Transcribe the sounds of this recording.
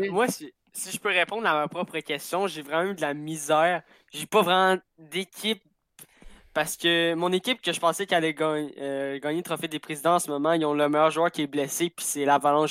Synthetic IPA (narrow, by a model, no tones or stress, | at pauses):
mwasi | siʒəpøʁepɔ̃d̪ʁamapχɔpχəkʲɛst̪jɔ̃ʒevʁɛmãd̪əlamizɛːʁ | ʒepɔvʁɛmɑ̃ | d̪ekʲʰɪp̚ː | aʁsə̥kʲəmɔ̃nekʲɪp̚kʲəʒəpɑ̃sɛkʲalɛɡɑɲəɡɑːɲelt̪χɔfed̪epʁezid̪ɑ̃ɑ̃səmɔmɑ̃ilɔ̃ləmɛjœːʁʒwœːʁkʲiɛblɛsepi̥sɛlavalɑ̃